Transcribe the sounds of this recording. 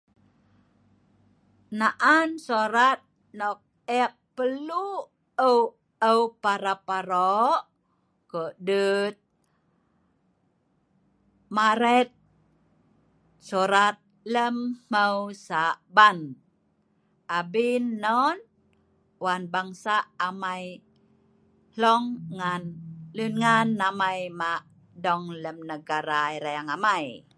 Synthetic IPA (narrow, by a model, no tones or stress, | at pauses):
naʔansoɾat̪̚ | nɔk̚ | ɛk̚pəlu | əw | əwpaɾapaɾɔʔ | kəʔdət̪̚ | maɾɛt̪̚ | soɾat̪̚ | ləmməwsaʔban | abinːɔn | wanbaŋsaːmaj | lɔŋːanlunŋanːamajmaʔ | dɔŋləmnəɡaɾaiɾajaŋamaj